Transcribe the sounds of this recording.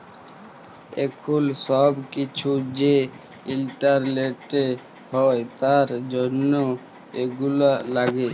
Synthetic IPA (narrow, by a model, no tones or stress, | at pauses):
ḛkʰulʃɔbkit͡ɕʰud͡ʑe | ilʈaɾleʈe | ɦɔet̪aɾd͡ʑonːo | eɡulalaɡe